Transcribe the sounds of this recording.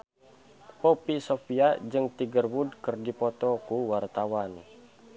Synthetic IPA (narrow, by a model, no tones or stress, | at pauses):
pɔpisofiad͡ʒɨŋt̪iɡərwudkərdipɔt̪ɔkuwart̪awan